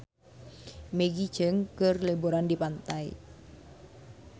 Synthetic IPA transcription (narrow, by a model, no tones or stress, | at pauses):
meɡi̥d͡ʒ̥əŋkərleboɾandipant̪ai